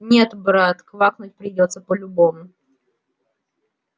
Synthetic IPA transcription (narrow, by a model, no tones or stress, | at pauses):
nʲe̞t̪bɾat̪kvaknʊt̚ʲpɾʲɪdʲot̪səpəlʲʊbo̞mʊ